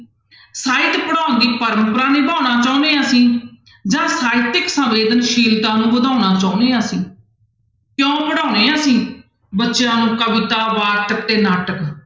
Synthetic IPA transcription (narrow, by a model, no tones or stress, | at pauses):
saːɪt̪pəɽãːnd̪iːpəɾəmpɾãːneːbaːʊnaːt͡ʃaːʊ̃neːaːsĩː | d͡ʒãːsaːɪt̪ɪksə̃ʋeːd̪ənʃiːlt̪ãːnũːbəd̪ʱaːʊnaːt͡ʃaːʊneːãːsĩː | kjõːpəɽaːʊneːãːsĩː | bətːʃjãːnũːkəʋɪt̪aːʋaːʈək̚t̪eːnaːʈək